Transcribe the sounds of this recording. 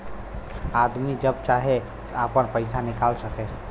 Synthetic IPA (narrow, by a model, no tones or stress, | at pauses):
ad̪mid͡ʒəbt͡ʃaɦe | apənpəjsanikalsəkɛ